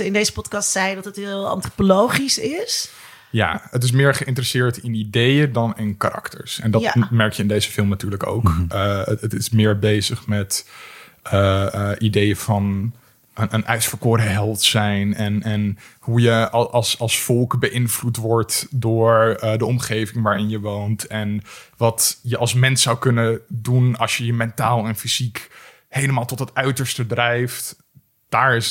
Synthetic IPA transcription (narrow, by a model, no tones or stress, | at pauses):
əɪndejzəpɔtkɑstsɛjdɑtətɦɪlˠɑ̰ntropolowχisɪs | ja̰ːət̬ɪs̬mɪːɹχəʔɪntərəsɪːɹtɪnidejədɑnɪnkaɾʔɑ̰ktə̰ɹsɛ̰ndɑmɛɹkjəɪndejzəfɪlˠmnatyːɹləko̰wkəətɪsmɪːɹbejzəχmɛt | əʔidejəvɑn | ənʔənɛɥsfəɹkʊːɾəɦɛlˠtsɛjnɛnɛnhujəʔɑlˠsɑlˠsfɔlˠkbəʔɪnvlutʋɔɹtdʊːɹdəɔmχejvɪŋʋaːɹɪnjəʋowntɛnʋɑtjəʔɑlˠsmɛnsawkɵnədunɑlˠsjəjəmɛntaːlˠɛnfizik | hejləmaːlˠtɔtɦətœɥtəɹstədrɛjft | d̥aːɹɪs